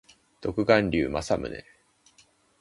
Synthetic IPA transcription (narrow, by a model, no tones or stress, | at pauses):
t̪o̞kɯ̟ɡãnɾʲɨːmasamɯ̟nḛ